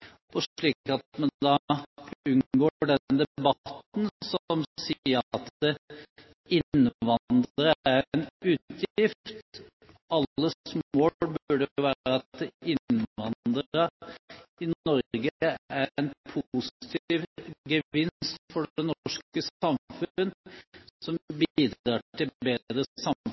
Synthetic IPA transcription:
ɔʂɭiːkɑt̪mɛnd̪ɑ | ʉnɡoːɖɛd̪ɛbɑt̪nsɔmsiːəɾɑt̪ə | ɪnʋɑd̪əɾəæɾnʉːt̪ʰjɪft̪ | ɑlːəsmoːbʉːɖəəʋæːɾəɑt̪dɪnʋɑnd̪əɾə | ɪnɔɾɡəæɾɛnpʰust̪ʰːʋɡəɪnst̪fɔɖɛnɔʂkəsɑmfʉnsɔmbiːd̪ɑːʈʰɪbeːd̪ɾəsɑm

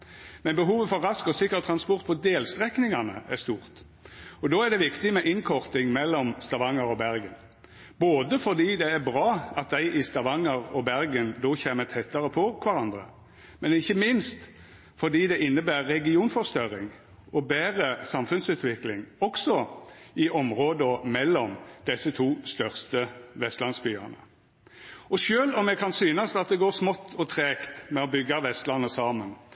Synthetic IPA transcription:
mɛnbəɦuːʋəfɔɾʁɑskɔsɪkːəʁt̪ʰɾɑnspɔʁt̪̚pʰɔd̪eːlst̪ʁɛknɪŋɑnə̰æʁst̪uːʁt̪ | ɔd̪oːæd̪ɛʋɪkt̪ɪmɛʔɪnkʰɔʁt̪ɪŋmɛlːɔmst̪ɑʋɑŋəɾɔbæʁɡən | boːd̪əfɔʁd̪iːd̪ɛæɾbʁɑːɑt̪̚d̪æɪʔɪst̪ɑʋɑŋəʁɔbæɾɡənd̪oːçeːmət̪ʰɛt̪ːɑɾəpʰɔkʰʋɑɾɑnd̪ɾə | mɛnɪçːəmɪnst̪ | fɔd̪iːd̪ɛɪnːəbæːʁːɛɡɪuːnfɔʁst̪œʁɪŋ | ɔbæːʁəsɑmfʉnsʉːt̪ʋɪklɪŋɔksɔɪʔɔmʁoːd̪əɔmɛlːɔmd̪̥ɛsət̪ʰuːst̪œʁst̪əʋɛst̪lɑnsbyːə̰nə̰ | ɔʃøːlɔmɛkʰɑnsyːnɑsɑt̪̚d̪ɛɡoːʁsmɔt̪ːʰɔt̪ʰʁeːkt̪mɛɔbʏɡːɑʋɛst̪lɑnːəsɑːmən

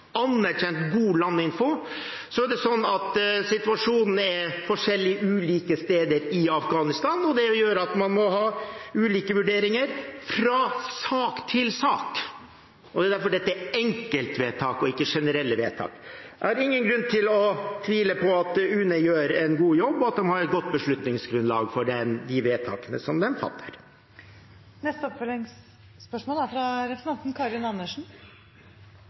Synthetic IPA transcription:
ɑnːæɾçɛnt̪ɡuːlɑnːɪnfʊ | sɔæɖɛsɔnːɑt̪sɪt̪ʉɑʂuːnn̩ɛɾfɔʂɛlːɪəʉːliːkəst̪eːd̪əɾɪɑfɡɑːnɪst̪ɑːnɔd̪ɛjøːɾəɑt̪mɑnmɔɦɑːʉːliːkəʋʉɖeːɾɪŋəɾfɾɑsɑːkt̪ʰɪlsɑːk | ɔd̪ɛːd̪æɾfɔɖɛt̪ːəæɛŋkəlt̪ʋeːt̪ʰɑːkɔɪkːəʂɛnəɾɛlːəʋeːt̪ʰɑ̰ːkæɾɪŋːənɡɾʉnt̪ʰɪlɔt̪ʰʋiːləpʰɔɑt̪̚ɛʉːnəjøːɾɛnɡuːjɔbːɔɑt̪̚d̪ɛmhɑɾɛt̪̚ɡɔt̪̚ːbəʂɭʉt̪nɪŋsɡɾʉnlɑːɡfɔɖɛnd̪ɪʋeːt̪ʰɑːkənə̰sɔmd̪ɛmfɑ̰t̪ːə̥ɾ | nɛst̪əɔpfœlɪŋsː | pœʂmɔːlæfɾɑɾɛfəɾɛnt̪n̩kʰɑːɾɪnɑnːəʂɳ̩

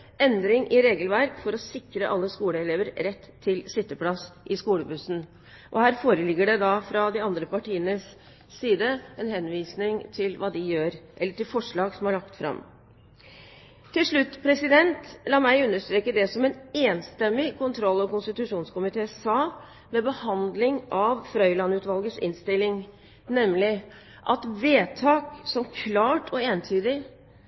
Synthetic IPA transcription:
ɛnd̪ɾɪŋʔɪɾeːɡəlʋæɾkfɔɾɔsɪkɾəʔɑlːəskuːləɛleːʋəɾɾɛt̪ʰːɪlsɪt̪ːəpʰlɑsʔɪskuːləbʉsn̩ | ʔɔhæːɾfoːɾəlɪɡːəɖɛd̪ɑfɾɑd̪ɪɑnd̪ɾəpɑʈiːənəs | siːd̪əɛnhɛnʋiːsnɪŋt̪ʰɪlʋɑːd̪ɪjøːɾʔɛlːəʈɪlfɔʂɭɑːɡsɔmhɑɭɑkt̪fɾɑ̰m | t̪ʰɪlʂɭʉt̪ːpʰɾɛsɪd̪ɛnt̪lɑːmæɪʉnːəʂt̪ɾeːkəd̪ɛsɔmɛneːnst̪ɛmːɪkʰʊnt̪ʰɾɔlːɔkʊnst̪ɪt̪ʉʂuːnskʊmɪt̪ʰeːsɑː | mɛbəhɑnd̪lɪŋʔɑʋfɾœʏlɑnʉːt̪ʋɑlɡəsɪ̰nst̪ɪlːɪŋ | nɛmːlɪ | ʔɑt̪ʋeːt̪ʰɑːksɔmkʰlɑːʈʰɔeːnt̪ʰyːd̪ɪ

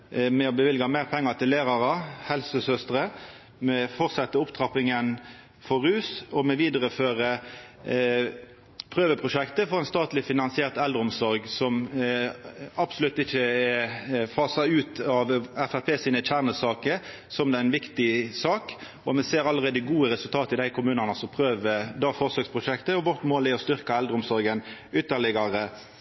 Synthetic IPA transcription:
mɛɔbəʋɪlɡɑmæɪʁpʰɛŋːət̪ʰɪlːeːɾɑʁɑhɛlsəsœst̪ɾə | mɛfɔʁsɑt̪ːəʊpt̪ʰʁɑpɪŋən | fɔʁʉːsɔmɛʋiːd̪əʁəføːʁə | pʰʁøːʋəpʰʁʊʃɛkt̪əfɔʁɛnst̪ɑːt̪lɪfɪnɑnsɪeːʁt̪æld̪ɾəɔmsɔɾɡsɔm | ɑpsʊlʉt̪ːɪçːəɛfɑːsɑʉːt̪ʰɑʋæfæpʰeːsiːnəc͡çæʁnəsɑːkə | sɔmd̪ɛæɪnʋɪkt̪ɪsɑːk | ɔmɛseːɾɑlːəʁeːd̪əɡuːəɾɛsʉlt̪ʰɑːt̪əɪd̪æɪkʰʊmʉːnɑnəsɔpʰʁøːʋəd̪ɑːfɔʁsøːkspʰʁʊʃɛkt̪əɔʋɔʁt̪moːlɪɔst̪ʏɾkɑɛld̪ɾəʊmsɔɾɡənʏt̪ːəlɪɡɑɾə

